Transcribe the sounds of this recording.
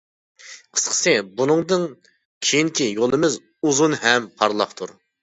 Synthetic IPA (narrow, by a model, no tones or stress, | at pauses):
qʰə̥sqʰə̥sɨbunɨŋd̪ɨŋ | kʲʰejiŋkʲijolˠɨmɨz | uzunɦɛmpʰɑɾlˠɑχt̪ʰuɾ